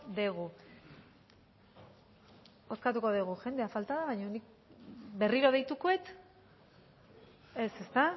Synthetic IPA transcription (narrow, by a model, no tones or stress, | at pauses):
d̪eɣ̞u | o̞skat̪uko̞ðeɣ̞uʝe̞nd̪e̞afalt̪aðaβajɲonik̚ | be̞riɾo̞ð̞ejt̪ukoe̞t̪ | e̞se̞st̪a